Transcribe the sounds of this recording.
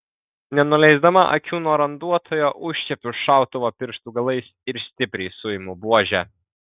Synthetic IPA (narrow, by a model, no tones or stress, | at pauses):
nʲɛnʊlʲɛɪzd̪ɐmɐ̰ʔɐ̰kʲuːnoːɾɐnd̪uɔt̪ʰoːjoːʔʊʃʲt͡ʃʲɛpʲʊʃɑˑʊt̪oʋoːpʲɪɾʃt̪ʊɡɐlˠɐɪsɪɾsʲt̪ʲɪpʲɾʲɛɪsʊjɪmʊbuɔʒʲæː